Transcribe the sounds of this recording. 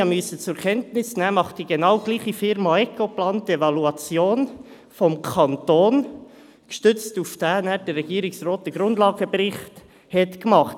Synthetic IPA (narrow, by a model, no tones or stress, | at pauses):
ɑmysət͡sʊɾkʰɛntnɪsnæːmɑχd̥iɡenɑʊɡ̥liːχifɪɾmɑɛkoplɑːntevɑluɑt͡sjoːn | fɔmkʰɑntoːn | kʃtʏt͡stufd̥æːnæːɾd̥ərːɛɡ̥iːɾɪksroːt̚d̥əɡ̥ɾʊndlɑːɡəbɾɪχt | hɛtkmɑχt